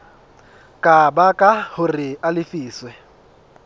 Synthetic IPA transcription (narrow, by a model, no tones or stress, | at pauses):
kʼabakʼahʊrɪalɪfiːswɛ